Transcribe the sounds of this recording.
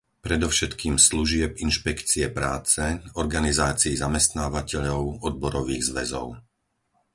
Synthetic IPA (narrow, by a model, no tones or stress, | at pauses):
pɾɛd̪ɔfʃɛt̪kiːmsluʒɪɛpinʃpɛkt͡siɛpɾaːt͡sɛɔɾɡanizaːt͡siːzamɛst̪naːʋacɛʎɔʊɔd̪̚bɔɾɔʋiːɣzʋɛzɔ̰ʊ